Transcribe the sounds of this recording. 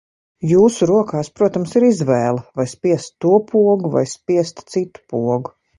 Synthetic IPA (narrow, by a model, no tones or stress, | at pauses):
juːsuɾuɔkaːspɾuɔt̪amsiɾizvɛːlˠɐvajspiɛst̪ːuɔpʰuɔɡuva̰jspiɛst̪sit̪u̥puɔɡu